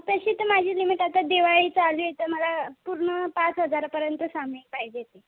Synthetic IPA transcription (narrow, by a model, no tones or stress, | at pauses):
t̪əɕiːt̪əmad͡ʑʱiːlimiʈat̪ad̪eʋaɭiːt͡saɭd͡ʑejet̪əɾməlapuɾɳəpat͡sɦəd͡zaɾpəɾjənt̪əsambʱɳĩk̚paɦid͡ʑet̪e